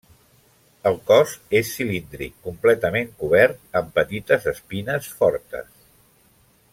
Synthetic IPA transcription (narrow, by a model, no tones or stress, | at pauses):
əlˠkɔzesːilind̪ɾḭkːumplɛt̪əmeŋkuβ̞ɛɾt̪̚əmpət̪it̪əzəspinəsfɔɾt̪ə̰s